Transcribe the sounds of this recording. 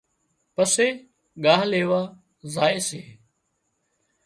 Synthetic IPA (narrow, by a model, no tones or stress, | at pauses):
pəseː | ɠaːɦleːʋaː | zaːɪːseː